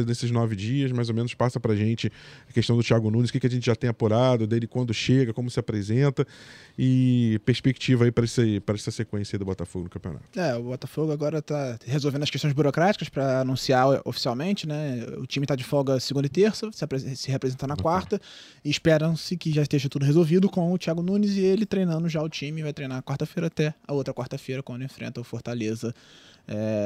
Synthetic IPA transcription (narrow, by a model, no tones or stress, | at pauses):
d̪esɪznɔvɪd͡ʒiɐsmajzomẽnʊspasɐpɾɐʒẽnt͡ʃɪɐkeʃt̪ɐ̃w̃d̪ʊt͡ʃiaɡʊnũnɪzʊ̥kɪkɪɐʒẽnt͡ʃɪʒat̪ẽj̃apoɾad̪ʊd̪elɪkwɐ̃nd̪ʊʃeɡɐkõmʊsɪapɾezẽnt̪ɐɪpeɾspeki̥t͡ʃivɐaipɾɐɛsɐpɾɐɛsɐsekwẽsjɐid̪ʊbɔt̪ɐfoɡʊnʊkɐ̃pio̰na̰t̪ʊɛʊbɔt̪ɐfoɡʊaɡɔɾɐt̪ahezowvẽd̪ɐʃkeʃt̪õzbuɾokɾat͡ʃi̥kɐspɾɐanũsiao̰fi̥siawmẽnt͡ʃɪnɛʊ̰t͡ʃĩmɪt̪ad͡ʒɪfɔɡɐsɪɡũd̪ɐɪt̪eɾsɐsɪpɾesɪhepɾezẽnt̪ɐnɐkwaɾt̪ɐ | ɪːʃpɛɾɐ̃w̃sɪkɪʒaɪʃt̪eʒɐt̪ud̪ʊɦezowvid̪ʊkõw̃ʊt͡ʃiaɡʊnũnɪzɪelɪt̪ɾejnɐ̃nd̪ʊʒaʊt͡ʃĩmɪvajt̪ɾejnaɐkwaɾt̪ɐfejɾɐat̪ɛɐowt̪ɾɐkwaɾt̪ɐfejɾɐkwɐ̃nd̪ʊẽfɾḛ̃nt̪ɐʊfoɾt̪alezɐɛ